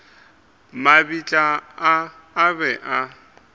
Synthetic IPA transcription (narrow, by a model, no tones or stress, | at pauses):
mabit͡ɬʼaaː | bɛʔa